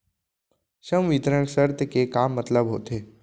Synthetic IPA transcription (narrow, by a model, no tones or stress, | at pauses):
ʃɐmʋit̪ɾəɳ̃səɾt̪kekaːmːət̪ləbɦo̰ːt̪eː